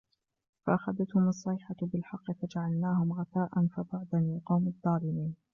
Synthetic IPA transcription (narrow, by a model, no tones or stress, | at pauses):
faʔaxaðat̪hʊmɑsˤːɑjħabɪlħɑqːɨfad͡ʒaʕalnaːɦʊmɣɑθaːʔanfabaʕd̪anaːqɑwmɑðˤːɑːlɪmiːn